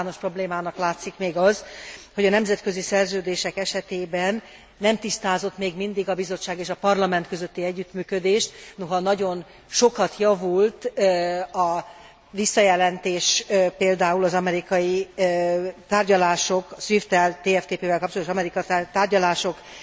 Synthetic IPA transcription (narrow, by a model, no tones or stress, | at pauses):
aːno̞ʃpro̞bleːmaːnɒklaːt̪sikmeːɡɒzho̞ɟɒnɛmzɛt̪kø̞zisɛrzøːd̪eːʃɛkɛʃɛt̪eːbɛnː | ɛmt̪ist̪aːzo̞t̪meːɡmind̪iɡɒbizo̞t͡ʃːaːɡeːʃɒpɒrlɒmɛnt̪køzøt̪ːiɛɟːyt̪myːkø̞d̪eːʃt̪noɦɒnɒɟo̞n | ʃo̞kɒt̪jɒvult̪ | ɒ | visːɒjɛlɛnt̪eːʃpeːld̪aːulɒzɒmɛɾikɒji | t̪aːrɟɒlaːʃokʃʋift̪ɛlt̪eːɛft̪eːpeːvɛlkɒp̚t͡ʃot̪oʃɒmɛɾikɒt̪aːrɟɒlaːʃo̞k